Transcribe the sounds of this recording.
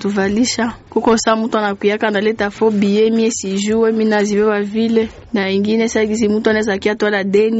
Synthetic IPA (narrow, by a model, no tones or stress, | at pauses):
tuvaliʃakukɔsamutanakwijakanalɛtafɔbijɛmiɛsiʒuwɛminaziβɛwavilɛ | naiŋɡinɛsaɡizimutuanaɛzakiatualadɛni